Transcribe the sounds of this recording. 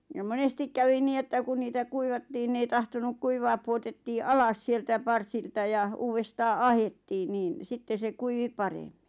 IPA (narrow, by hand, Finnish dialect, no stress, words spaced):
jɑ monestik kæʋi niː etːæ kun niːtæ kuiʋɑtːiːn n ei tɑhtonuk kuiʋɑː puotetːiː ɑlɑs sieltæ pɑrsiltɑ jɑ uːʋestɑː ɑhetːiːn niːn sitːe se kuiʋi pɑrem̥ːi̥